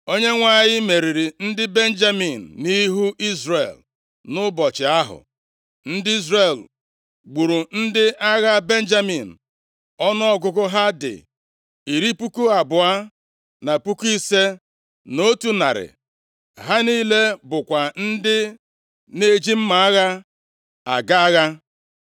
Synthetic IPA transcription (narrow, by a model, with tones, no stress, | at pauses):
o˦ɲe˦ŋʷa˦˨ɲɪ˦me˨ɾi˨ɾi˨n̩˦dɪ˦be˦n̩˦d͡ʒa˦mi˨n̩ː˨i˦ɦu˦ʔi˦zrḛ˨l | nʊ˦bɔ˨t͡ʃɪ˨a˦ɦʊ̰˨ | n̩˦dɪ˦i˦zre˨l | ɡ͡bu˨ɾu˨n̩˦dɪ˦ʔa˦ɣa˦be˦n̩˦d͡ʒa˦mi˨n̩˨ | ɔ˦nɔ˦ɔ˦ɡʊ˦kʊ˦ɦa˦dɪ̰˨ | i˨ɾi˦pu˦ku˦a˨bʊ˨a˦ | na˨pu˦ki˦se˦ | no˦tu˦na̰˨ɾɪ̰˨ | ɦa˦niː˦le˦bʊ˨kʷa˨n̩˦dɪ˦ | ne˦˨d͡ʒi˦m̩˦ma˨a˦ɣa˦ | a˨ɡa˦a˦ɣa˦